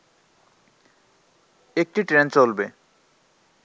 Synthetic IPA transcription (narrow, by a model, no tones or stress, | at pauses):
ek̚ʈiʈɾent͡ɕolbe